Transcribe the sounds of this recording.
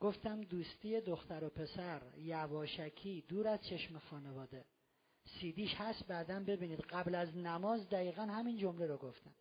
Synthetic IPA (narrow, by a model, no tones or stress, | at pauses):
ɡ̥o̞ft̪æmd̪uːst̪iːje̞d̪oxt̪æɾopʰe̞sæɾjævɒːʃækʰiːd̪uːɾæz̥t͡ʃʰe̞ʃmexɒːnevɒːd̪e̞ | siːd̪iːʃhæst̪̚bæːd̪æmbe̞biːniːd̪ɢæblæznæmɒːzd̪æiːɣænhæmind͡ʒo̞mleɾoɡoft̪æm